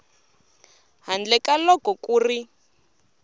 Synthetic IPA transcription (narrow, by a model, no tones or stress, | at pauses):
ɦand͡ɮɛkalɔkɔkʼuːri